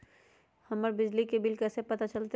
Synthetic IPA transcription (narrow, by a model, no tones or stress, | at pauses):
hɐməɾbɪd͡ʒlikebɪlkɛːsepɐt̪at͡ʃɐlt̪e